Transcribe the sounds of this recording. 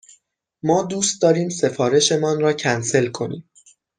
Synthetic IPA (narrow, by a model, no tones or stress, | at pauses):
mɒːd̪uːst̪̚d̪ɒːɾiːmse̞fɒːɾe̞ʃe̞mɒːnɾɒːcʰænse̞lkʰo̞nḭːm